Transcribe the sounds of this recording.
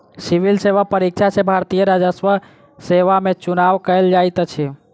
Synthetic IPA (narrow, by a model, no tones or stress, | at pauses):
siʋilseʋapəɾik̚t͡ʃʰat͡ʃʰebʱaɾt̪ijəɾad͡ʒəsʋə | seʋamet͡ʃunaʋkəjld͡ʒajt̪t͡ʃʰɛ